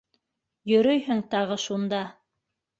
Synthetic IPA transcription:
jɵ̆ɾɵjhɘŋt̪ɑʁɤʃund̪ɑ

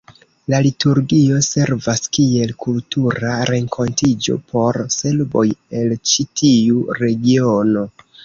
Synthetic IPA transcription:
lalituɾɡio̞se̞ɾvaskie̞lkʰultuɾaɾe̞ŋkʰo̞ntid͡ʒo̞̰pʰo̞ɾse̞lbo̞̰je̞lt͡ʃitʰiuɾe̞ɡio̞no̞

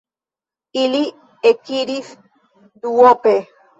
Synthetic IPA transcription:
ili | ekiɾis | d̪uope

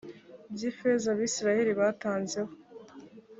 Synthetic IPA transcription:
bjiːfezaβiːsiɾaheɾiβaːtaːnze̞ho

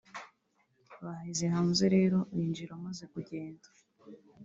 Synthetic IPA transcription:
βahizehaːnzeɾe̞ːɾo̞βiːnd͡ʒiɾamazekuɟeːndḁ

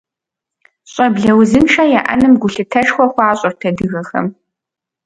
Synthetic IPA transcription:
ɕʼɐbɮɐwzɨmʃɐjaʔɐ̰nɨmɡʷʊɬɨtʰɐʂxʷɔxʷaːɕʼɔrtʰɐdɨɣɐxɐ̰m

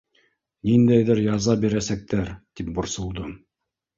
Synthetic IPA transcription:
nind̪æjðɘɾjɑzɑbiɾæsæk̚t̪æɾt̪ip̚bŏɾsŏlˠd̪ɤ

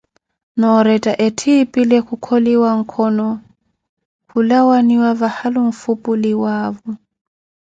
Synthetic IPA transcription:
nɔɾɛtʼaʔɛtʰipʼilɛkukʰoliwaŋ̩kʰɔnɔ | kulawaniwavahaluɱ̩fupʼuliwaːvɔ

